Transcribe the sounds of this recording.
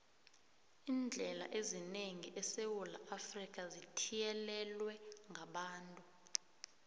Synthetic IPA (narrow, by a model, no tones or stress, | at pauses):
iːnd͡ɮʱɛla̰ʔezineŋiʔɛsewulaʔafrik̬ʼazitʰijɛlɛlwɛŋʱaɓaːntʼu